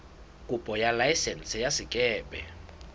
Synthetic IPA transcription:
kʼupʼɔjalajsɛnsɛjasikʼɛːɓʼɛ̰

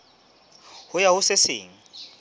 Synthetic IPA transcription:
hʊjahʊsɪsɪ̰ːŋ̩

